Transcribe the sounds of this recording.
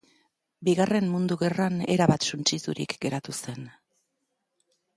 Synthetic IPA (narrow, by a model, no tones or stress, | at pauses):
biɣare̞mmund̪uɣe̞rane̞ɾaβat̪sunt͡ʃisuɾḭkɡe̞ɾat̪use̞n